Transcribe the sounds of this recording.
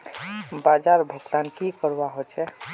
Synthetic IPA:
bad͡ʒaɾbʱəɡt̪ankikəɾaɦot͡ʃʰɛ

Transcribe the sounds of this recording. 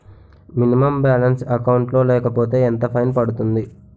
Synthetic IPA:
minimɐmbaːlɐnsɐkɐwuɳʈlo̞ːlɛːkɐpo̞ːt̪e̞ːent̪ɐpʰɐjnpɐɽut̪und̪i

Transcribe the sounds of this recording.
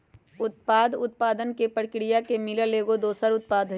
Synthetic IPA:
ʊt̪̚paːd̪ʊt̪̚paːd̪ənkepəɽkɾijakemɪləleːɡod̪oːsəɾʊt̪̚paːd̪ʱ

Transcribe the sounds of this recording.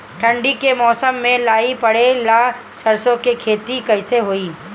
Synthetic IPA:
ʈʰə̃ɳɖikemɔːsəmːẽlaːipɐɽelaː | sɐɾsõkekʰeːt̪ikɐɦɪseɦoːiː

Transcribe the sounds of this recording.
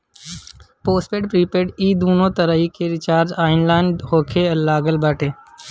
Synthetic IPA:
poːspeːɖpɾiːpeːɖiːd̪uːnõːt̪əɾəikeɾɪt͡ʃaːɾd͡ʒaːɪnlaːɪɳɖhoːkʰeːəlːaːɡəlbaːʈeː

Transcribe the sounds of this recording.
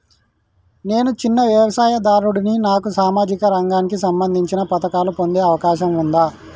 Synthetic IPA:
ne̞ːnut͡ʃinːɐʋjɐʋɐsaːjɐd̪aːɾuɽininaːkusaːmaːd͡ʒikɐɾɐŋɡaːnikisɐmbɐnd̪ʱiɲt͡ʃinɐpɐt̪ɐkaːlupond̪e̞ːɐʋɐkaːʃ̬ɐmund̪aː

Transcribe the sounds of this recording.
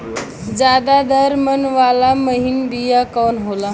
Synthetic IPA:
d͡zjad̪ad̪ʱəɾmənʋalaməɦinbijakɔnɦola

